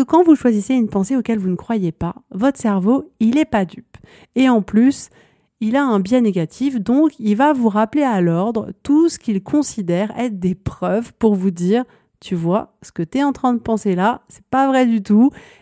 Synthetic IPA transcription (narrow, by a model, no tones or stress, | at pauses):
əkɑ̃vuʃwaziseynpɑ̃seokʲɛlvunəkχwajepavɔt̪χə̥sɛʁvoilɛpad̪yp | eɑ̃plys | ilaɛ̃bjɛ̃neɡʲat̪ʰifd̪ɔ̃kilvavuʁaplealɔʁd̪ʁə̰t̪usə̥kʲilkʰɔ̃sid̪ɛʁɛ̰t̪d̪epχœvpuʁvud̪iːʁ | t̪ʰyvwasə̥kət̪yɛɑ̃t̪χɛ̃d̪əpɑ̃selasɛ̥pavʁɛd̪yt̪u